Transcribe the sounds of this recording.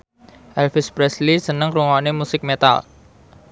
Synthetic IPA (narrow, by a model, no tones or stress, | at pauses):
ʔɛlfɪspɾɛslisənəŋɾuŋɔnemusɪk̚met̪a̰l